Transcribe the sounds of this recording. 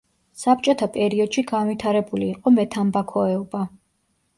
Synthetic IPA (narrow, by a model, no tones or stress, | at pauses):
sap̚t͡ʃʼɔt̪ʰapʼɛɾiɔd̪̥ʃiɡanvit̪ʰaɾɛbuliːqʼɔmɛt̪ʰambakʰɔɛuba